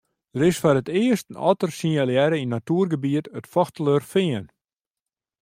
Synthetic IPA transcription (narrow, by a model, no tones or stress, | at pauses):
d̥əɾɪsfarətɪəstn̩ɔ̰tərsinaljɛɾəinːatuːərɡəbiətətfɔxtələrfɪən